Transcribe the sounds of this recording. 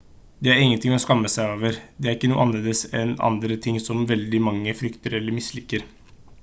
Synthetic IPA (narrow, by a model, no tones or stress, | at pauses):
d̪ɛæɾɪŋːənt̪ɪŋmɛɔskɑmːəsæɪoːʋəɾd̪ɛæɾɪkːənuːəʔɑnleːd̪əsɛnɑ̰nd̪ɾət̪ʰɪŋːsɔmʋɛld̪ɪmɑŋːəfɾʏkt̪əɾɛlːəɾmɪslɪkːəɾ